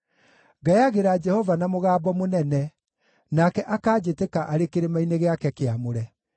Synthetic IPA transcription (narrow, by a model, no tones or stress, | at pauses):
ɡaeaɣeɾaːd͡ʒɛhɔvanamoɣaːbɔmonɛnɛ | nakɛʔakaːd͡ʑetekaʔaɾekeɾemaineɣeakɛkeamoɾɛ